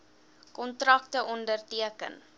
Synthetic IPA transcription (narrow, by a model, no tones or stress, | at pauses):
kɔntrɐk̚təʔɔndərtiəkə̰n